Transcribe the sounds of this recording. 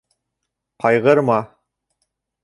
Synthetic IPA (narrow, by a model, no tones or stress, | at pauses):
qʰɑjʁɤɾmɑ